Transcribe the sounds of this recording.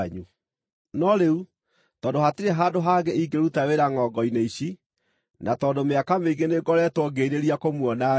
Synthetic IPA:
ɲu | nɔɾeu | tɔːndoɦateɾeɦaːdoɦaɡeiɡeɾutaweɾaŋɔɡɔineiɕi | nʔatɔːndomeakameiɡeneɡɔɾɛtwɔɡeɾeɾiakomwɔna

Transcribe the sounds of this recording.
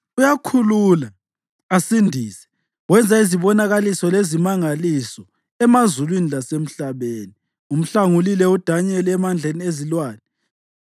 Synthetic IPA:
ujakʰulula | asindʱiːsɛ̥ | wɛnd͡zʱaiziβɔnaɣalisɔlezimaŋalisɔ | ɛmazulwinilasem̩ɬaβeːni | um̩ɬaŋulilɛud̥ʱaɲɛlɛɛmand͡ɮʱeniezilwaːnɛ

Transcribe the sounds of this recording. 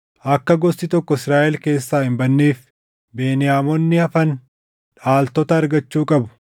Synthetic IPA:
ʔɐkːɐɡɔst̪ɪt̪ɔkːɔɪsɾaːʔɛlke̞ːsːaːhɪmbɐnːeːf | be̞ːnɪjaːmɔnːɪɐfɐn | ᶑaːlt̪ɔt̪ɐːɾɡɐt͡ʃːuːkʼɐbʊ̥

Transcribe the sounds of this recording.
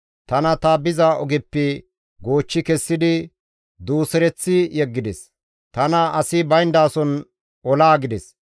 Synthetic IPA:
t̪ɐnɐt̪ɐbɪzaʔɔɡɪpːɪ | ɡoːt͡ʃːɪkɛsːɪd̪ɪ | d̪uːsɛɾɛt͡sːɪjɛɡːɪd̪ɛs | t̪ɐnɐɐsɪbɐjnd̪aːsɔn | ɔlaːɡɪd̪ɛs

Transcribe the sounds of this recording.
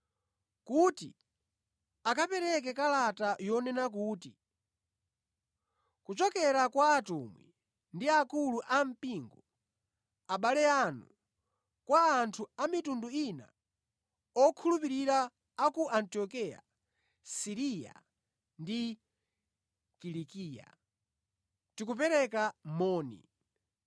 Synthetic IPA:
kutḭ | akapɛɾɛk̬ɛkalatajɔnɛnak̬uːti | kut͡ʃɔkɛɾakwaːtumwɛ | ndiakuluʔam̩piŋɡɔ | aɓalɛanu | kwaːntʰuamitunduina̰ | ɔkʰulupiɾiɾaː | kuʔantiɔkija̰ | siɾija̰ | ndi | kilikiːja̰ | tikup̬ɛɾɛkamɔːnḭ

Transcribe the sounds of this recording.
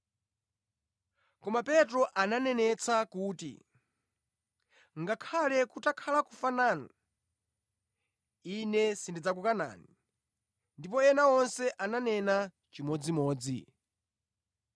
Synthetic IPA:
kɔmapɛtɾɔʔananɛnɛt͡sʰakuːtḭ | ŋɡakʰalɛkutakʰalakufananu | inɛsindid͡zakukana̰ːni | ndip̬ɔɛnaɔnsɛʔananɛna | t͡ʃimɔd͡zimɔːd͡zḭ

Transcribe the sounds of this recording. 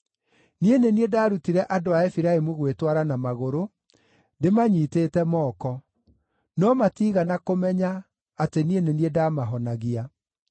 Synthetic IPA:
nieneniedaːɾutiɾɛʔadoaefiɾaemuɣwetwaɾanamaɣoɾo | ndemaɲiːteːtɛmɔːkɔ | nɔmatiːɣanakomɛɲaː | tenieneniedaːmaɦɔnaɣia

